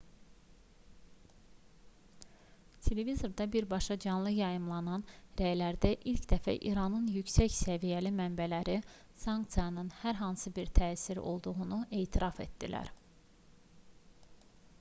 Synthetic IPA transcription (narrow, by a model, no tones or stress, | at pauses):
t̪ʰe̞le̞vizo̞ɾd̪ɑbiɾbɑʃɑd͡ʒɑnlˠɯjɑjɯmlˠɑnɑnɾæjlæɾd̪æʔilcd̪æfæ̰ʔḭɾɑnɯnjycsæçsævijælimæmbælæɾi | sɑŋkt̪sijɑnɯnhæɾɦɑnsɯbiɾt̪ʰæːsiɾo̞̰lˠd̪uɣunuʔe̞ːt̪ʰiɾɑfet̪d̪ilæ̰ɾ